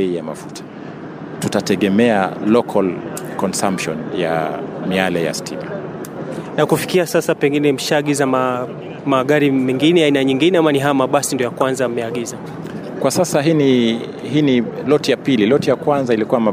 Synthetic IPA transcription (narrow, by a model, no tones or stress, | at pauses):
iijama̰futʰḁ | tutatɛɠɛmɛalɔkʰalkɔnsampʃɔ̰nja̰mialɛja̰stḭma | nakufi̥kiasasapɛŋɡinɛm̩ʃaːɠizama | maɠaɾimɛŋɡinɛainaɲiŋɡinɛamaniɦajamaɓasindiɔjakwanzam̩mɛaɠiza | kwasasaɦini | hinilɔtijapililɔtijakwanzailikuwama